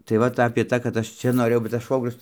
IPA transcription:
tɐɪ ˈʋɐt ɐpʲeː ˈtɑː kɐt ˈɐʃ ˈt͡ʃʲɛ noːˈrʲeːjɛʊ bʲɛt tɐs ˈʃʋoːɡrʲʊs

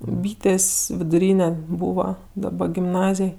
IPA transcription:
ˈbʲiːtʲeːsʲ ʋʲɪdʊˈrʲiːnʲɛ ˈbuːʋɐ dɐˈbɐ ɡʲɪmˈnɑːzʲeːj

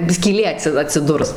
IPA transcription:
sʲkʲiːˈlʲeː ˈɑːtʲsʲɪ ɐtʲsʲɪˈdʊrs

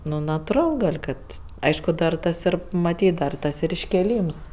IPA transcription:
nʊ nɐtʊˈrɐlˠ ˈkɐt ˈɐɪʃkʊ dɐr ˈtɐs ˈɪr mɐˈtʲiːt dɐr tɐs ɪr ɪʃʲkʲeːˈlʲiːms

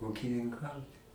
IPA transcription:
uːkʲɪnʲɪŋˈkɐʊt

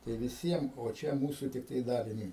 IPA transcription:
tɐɪ ʋʲɪˈsʲiɛm oː ˈt͡ʃʲɛ ˈmuːsʊ tʲɪkˈtɐɪ ˈdɑːlʲɪnʲʊɪ

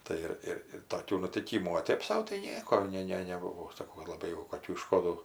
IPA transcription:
ˈtɐɪ ɪr ˈɪr ɪr toːˈkʲuː nʊtʲɪˈkʲiːmuː oː ˈtʲeːp sɐʊ tɐɪ ˈnʲiɛkoː ˈnʲɛ ˈnʲɛ nʲɛˈbʊʋoː sɐˈkɐʊ lˠɐˈbɐɪ jɛʊ koːˈkʲuː ɪˈʃkoːduː

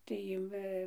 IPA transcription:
tɐɪ ˈʋɐ

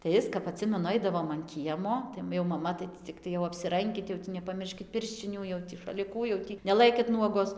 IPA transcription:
tɐɪ ˈɪs kɐp ɐˈtʲsʲɪmʲɛnʊ ˈɐɪdɐʋoːm ɐn ˈkʲiɛmoː jɛʊ mɐˈmɐ tɐɪ ˈtʲiː t͡sʲɪˈktɐɪ jɛʊ ɐpʲsʲɪˈrɐŋʲkʲɪt jɛʊ ˈtʲiː nʲɛpɐˈmʲɪrʲʃʲkʲɪt ˈpʲɪrʲʃʲt͡ʃʲɪnʲuː jɛʊ tʲiː ʃɐlʲɪˈkuː jɛʊ ˈtʲiː nʲɛˈlˠɘkʲɪt ˈnuɔɡoːs

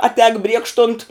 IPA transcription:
ɐˈtʲɛːk ˈbʲrʲiɛkʃtʊnt

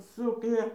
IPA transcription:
ˈsʊknʲæː

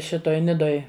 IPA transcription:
ˈʃʲɪtoːj ˈnʲɪdoːj

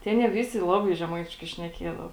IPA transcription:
tʲeː ˈɑːnʲiɛ ˈʋʲɪsʲɪ ˈlˠɑːbɐɪ ʒʲɛˈmɐɪtʲɪʃkɐɪ ʃʲnʲɛˈkʲiɛdɐʋɐ

